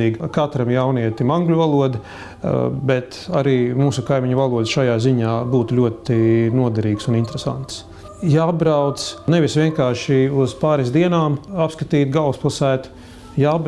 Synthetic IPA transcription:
iːɡkat̪ɾamjawniɛt̪imãŋɡlʲuvalˠuɔd̪ɪ | bɛt̪aɾiːmuːsukajmiɲuvalˠuɔd̪sʃajaːziɲaːbuːt̪ulʲuɔt̪inuɔd̪ɛɾiːɡsunint̪ɾɛsa̰nt̪s | jaːbɾawt̪sneʋisʋʲiɛŋkaːɾʃiuz̥paːɾisd̪iɛnaːmapskat̪iːt̪ɡalˠsplˠasæːt̪ | jaːb

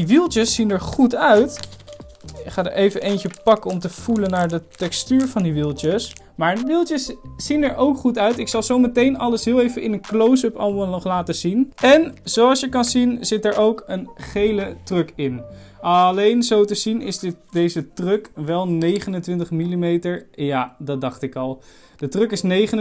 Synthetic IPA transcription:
diʋilˠtəsːinəɹχutœɥt | ɪkχaːdə̰ɹʔejvənʔejncəpɑkəɔmtəv̥ulənaːɹdətɛkstyːɹvɑndiʋilˠtəs | maːɹdiʋilˠtjəsːinɛɹʔowkχutœɥtɪksɑlˠzowmətejnɑləsɦɪːlˠejvənʔɪnənklows̬əpɑ̰lˠmˠnɔχlaːtəzinɛnzowɑlˠsjəkɑnzinzɪt̚dəɹʔowkənχejlətrɵkɪn | ɑlejnzowtəzinɪ̰zddejzətrøkʋɛlˠnejχənəntʋɪntəχmilimejtəɹjaːdɑt̚dɑχtɪkɑlˠ | d̥ətrɵkɪsnejχən

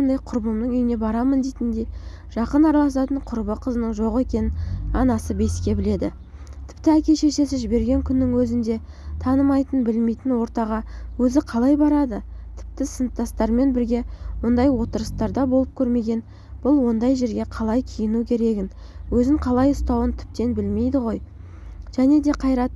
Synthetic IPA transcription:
ɑnd̪ɑjqʰʊɾbəmd̪əŋʏjɪne̞bɑɾɑmənd̪ejt̪ɪnd̪e̞j | ʒ̥ɑqənɑɾɑlˠɑs̬ɑt̪əɴqʰʊɾbəqʰəzənəɴʒo̞ʁe̞kʲe̞nɪnɑnɑsəbe̞skʲe̞bɪle̞d̪ɪ | t̪ʰɪ̥pt̪ɪækʲe̞ʃe̞ʃe̞sɪʒɪbe̞ɾɡʲe̞ŋkʲʰʏnːɪŋwɵzɪnd̪e̞ | t̪ʰɑnəmɑjt̪ənbɪlme̞jt̪ɪnwo̞ɾt̪ɑʁɑwɵzɪqʰɑlˠɑjbɑɾɑd̪ət̪ʰɪ̥p̚t̪ɪsənt̪ːɑst̪ɑɾme̞nbɪɾɡʲe̞wo̞nd̪ɑjwo̞t̪əɾəst̪ɑɾd̪ɑbo̞lˠəp̚kʲʰɵɾme̞ɡʲe̞n | b̥ʊlˠwo̞nd̪ɑjʒe̞ɾɡʲe̞qʰɑlˠɑjkʲʰijɪnukʲʰe̞ɾe̞ɡʲɪnwɵzɪŋqʰɑlˠɑjʊst̪ɑwənt̪ʰɪ̥p̚t̪e̞nbɪlme̞jd̪ɪʁo̞j | ʒ̥æne̞d̪e̞qʰɑjɾɑt̪̚

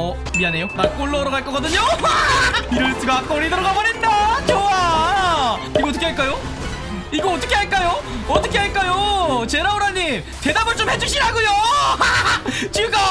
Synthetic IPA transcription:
ʌ | miane̞jonak͈oɭːʌːɾʌɣaɭk͈ʌk͈adɯɲo | iɾɯɭs͈uɡak͈ʌɾidɯɾʌɡabʌɾendat͡ɕowa | iɡoʌt̬͈ʌkʰeaɭk͈ajo | iɡʌʌt͈ʌkʰeɦaɭk͈ajo | ʌt͈ʌkʰeɦaɭk͈ajot͡ɕe̞ɾaoɾaɲːim | te̞dabɯɭt͡ɕ͈omhe̞d͡ʑuɕ͈ʰinɦaɡujo | t͡ɕiɡa

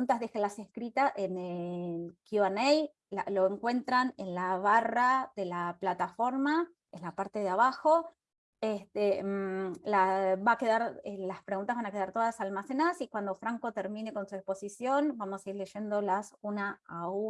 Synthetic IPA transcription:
unt̪azðexelase̞skɾit̪aʔenekjuanej | lalo̞eŋkwe̞nt̪ɾanenlaβaraðe̞laplat̪afo̞ɾma | enlapaɾt̪e̞ðeaβaxo̞ | est̪e | laβake̞ðaɾelaspɾe̞ɣũnt̪azβanake̞ðaɾt̪o̞ðasalmase̞naðasikwand̪o̞fɾaŋko̞t̪eɾmine̞ko̞nsuekspo̞sisjo̞nbamossaiɾle̞ʒe̞nd̪o̞lasunaau

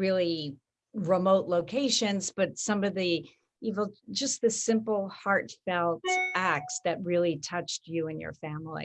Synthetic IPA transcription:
ɹɪlˠi | ɹəmoʊʔˡloʊkʰeɪʃɨ̃nzb̥ʌtsʌ̃mʌvðɨ | ivl̩ˠd͡ʒʌs̚ðɨsɪ̃mpl̩ˠhɑɹtfɛlˠtæk̚tsðɨt̚ɹɪlˠitʰʌt͡ʃt͡ʃɨɨ̃njə̰˞fæ̃ml̩ˠḭ

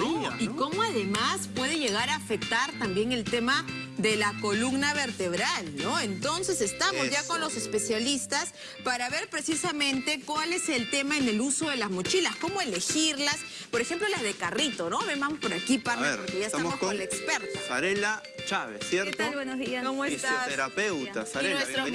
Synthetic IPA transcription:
ikko̞moaðe̞maspwe̞ð̞e̞ʝe̞ɣaɾaːfe̞k̚t̪aɾt̪ambje̞ŋe̞lt̪e̞ma | ðe̞lako̞luɡnaβe̞ɾt̪e̞βɾalno̞ent̪o̞nse̞se̞st̪amozʝako̞nlo̞se̞spe̞sjalist̪as | paɾaβe̞ɾpɾe̞sisamẽ̞nt̪ekwale̞se̞lt̪e̞maene̞luso̞ðe̞lazmot͡ʃilasko̞mo̞e̞le̞xiɾlas | po̞ɾexe̞mplo̞lazðekarit̪o̞no̞βebamospo̞ɾakipaɾβeeɾpoɾkejaest̪amaokonlaekspeɾt̪asaɾela | t͡ʃaβesːjeɾt̪awenozðiakomoest̪aeɾapew̪a̰saenwest̪ɾo

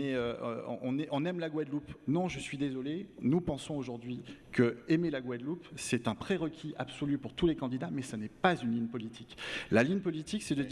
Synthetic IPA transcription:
ɛø̰̃ʔɔ̃nɛʔɔ̃nɛmlaɡwad̪lupnɔ̃ʒəsɥid̪ezɔlenupɑ̃sɔ̃oʒuʁd̪ɥikʰəɛmelaɡwad̪lupsɛt̪ɛ̃pχeʁəkʲiʔabsɔlypuʁt̪ulekɑ̃d̪id̪amɛsanɛpazynliɲpɔlit̪ʰi̥klaliɲpɔlit̪iksɛd̪əd̪

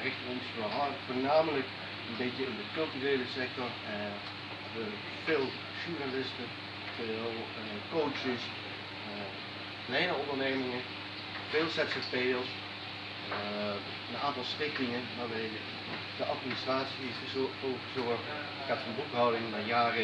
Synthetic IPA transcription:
rɪχtənɔnsfoɦaɹfoːɹnaːmələk | ənbejkjəɪndəkɵlˠtyrejləsɛk̚tɔɹ | ɛ | natyːlək | fɪːlˠ | ʒuɹnalɪstə | fɪlˠ | ə | kowt͡ʃəs | ə | klɛjnəɔndəɹnejmɪŋə | fɪːlˠsɛtsəpejəlˠs | ə | ənaːntɑlˠstɪktɪŋənʋaːɹbɛj | d̥əʔɑtministraːtsi | owəzɔɹχt | kɛtfənɔpɦawdɪŋnajaːrə

